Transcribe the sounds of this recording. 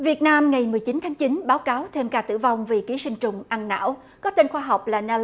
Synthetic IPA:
vi˨˩ət̚naː˧mŋa˨˩jmɨ˨˩əjt͡ɕi˨˦nt̪ʰaː˨˦ŋt͡ɕi˨˦nɓaː˨˦wkaː˨˦wt̪ʰe˧mkaː˧˩t̪ɨ̰˧˩va˧wŋ͡mvi˨˩ki˨˦sï˧ŋ̟t͡ɕʊ˨˩ŋ͡mʔa˧nna̰ː˧˥˨w | kɔ˨˦t̪e˧nxwaː˧ɦa˨˩wk͡p̚laː˨˩nɛ˧

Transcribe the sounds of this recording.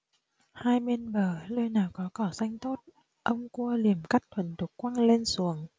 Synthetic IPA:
haː˧jme˧nɓəː˨˩ləː˧jnaː˨˩wkɔ˨˦kɔ˧˩za˧jŋ̟t̪o˦˥t̚ | ʔə˧wŋ͡mku˧əli˨˩əmka˦˥k̚t̪ʰwə˧˩nt̪u˨˩k̚kːwaː˧ŋle˧nsu˨˦əŋ

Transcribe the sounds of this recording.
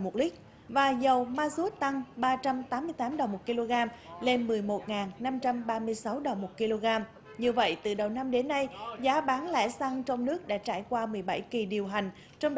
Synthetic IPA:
mo˨˩t̚lï˦˥k̟̚ | vaː˨˩zə˨˩wmaː˧zu˦˥t̚t̪a˧ŋɓaː˧t͡ɕa˧mt̪aː˨˦mːɨ˧əjt̪aː˨˦mɗə˨˩wŋ͡mmo˨˩t̚ki˧lo˧ɣaː˧mle˧nmɨ˨˩əjmo˨˩t̚ŋaː˨˩nna˧mt͡ɕa˧mɓaː˧mɨ˧əjsa˨˦wɗə˨˩wŋ͡mmo˨˩t̚ki˧lo˧ɣaː˧m | ɲɨ˧və̰˧˨jt̪ɨ˨˩ɗə˨˩wna˧mɗe˨˦nːa˧jzaː˨˦ɓaː˨˦nlɛ̰˧˥sa˧ŋt͡ɕɔ˧wŋ͡mnɨ˦˥ək̚ɗa̰ː˧˥t͡ɕa̰ː˧˩jkwaː˧mɨ˨˩əjɓa̰˧˩jki˨˩ɗi˨˩əwɦa˨˩jŋ̟ | t͡ɕɔ˧wŋ͡m

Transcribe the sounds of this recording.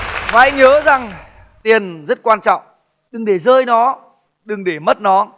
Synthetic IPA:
vaː˨˩ʔa˧jŋ̟ŋəː˨˦za˨˩ŋ | t̪i˨˩ənzə˦˥t̚kwaː˧nt͡ɕɔ̰˧˨wŋ͡m | ɗɨ˨˩ŋɗe˧˩zəː˧jnɔ˨˦ | ɗɨ˨˩ŋɗe˧˩mə˦˥t̚nɔ˨˦

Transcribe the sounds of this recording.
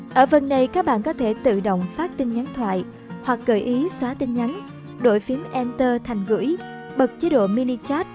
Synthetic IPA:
ʔəː˧˩və˧˩nɗə˧jkaː˦˥k̚ɓa̰ː˧˨nkɔ˨˦t̪ʰe˧˩t̪ɨ̰˧˨ɗə̰˧˨wŋ͡mfaː˦˥t̚t̪ï˧ŋɲa˨˦ŋt̪ʰwa̰ː˧˨j | hwa˨˩k̚ɣəː˧˩jʔi˨˦swaː˨˦t̪ï˧ŋ̟ɲa˨˦n | ɗo̰˧˨jfi˨˦əmʔɛ˧nt̪əː˧t̪ʰa˨˩jŋ̟ɣɨ̰˧˩˥j | ɓə˨˩k̚t͡ɕe˨˦ɗo̰˧˨mi˧ni˧t͡ɕaː˦˥t̚

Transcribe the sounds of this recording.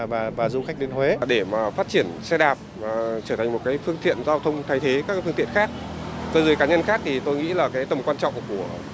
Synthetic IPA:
vaː˨˩vaː˨˩zu˨˧xa˦˥k̚ɗe˨˧˦nhwe˨˦ɗe˧˩maː˨˩faː˦˥t̚t͡ɕi˧˩ənsɛ˧ɗaː˨˩p̚maː˨˩t͡ɕəː˧˩tʰa˨˩ŋ̟mo˨˩t̚kaː˨˦jfɨ˧əŋt̪ḭ˧˨ənzaː˧wt̪ʰə˧wŋ͡mt̪ʰa˧jt̪ʰe˨˦kaː˦˥kːfɨ˧ŋt̪i˧˨ənxaː˦˥k̚ | t̪o˧jzəː˨˦jkaː˨˦ɲə˧nxaː˦˥k̚t̪ʰi˨˩t̪o˧jŋḭ˧˥laː˨˩kaː˨˦jt̪ə˨˩ŋ͡mkwaː˧nt͡ɕɔ̰˧˨wŋ͡mku˧˩ə

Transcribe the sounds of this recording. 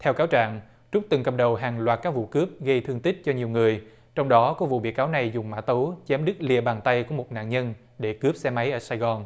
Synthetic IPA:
t̪ʰɛ˧wkaː˨˦wt͡ɕa̰ː˧˨ŋ | t͡ɕʊ˦˥k͡p̚t̪ɨ˨˩ŋkə˨˩p̚ɗə˨˩wɦaː˨˩ŋlwaː˨˩t̚kaː˦˥k̚vṵ˧˨kɨ˦˥əp̚ɣə˧jt̪ʰɨ˧əŋt̪ï˦˥k̟̚t͡ɕɔ˧ɲi˨˩əwŋɨ˨˩əj | t͡ɕɔ˧wŋ͡mɗɔ˨˦kɔ˨˦vṵ˧˨ɓḭ˧˨kaː˨˦wna˨˩jzʊ˨˩ŋ͡mma̰ː˧˥t̪ə˨˦wt͡ɕɛ˨˦mɗɨ˦˥k̚lḭ˧˨əɓaː˨˩nt̪a˧jku˧˩mo˨˩t̚na̰ː˧˨nɲə˧n | ɗe˧˩kɨ˦˥p̚sɛ˧ma˨˦jʔəː˧˩saː˧jɣɔ˨˩n

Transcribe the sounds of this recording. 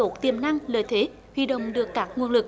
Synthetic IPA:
o˨˦˥t̪i˨˩əmna˧ŋləː˧˨˩jt̪ʰe˨˦ | hwḭ˧˨ɗə̰˧˨wŋ͡mɗɨ˨˩əkːaː˦˥k̚ŋu˧ənlɨ˨˩k̚

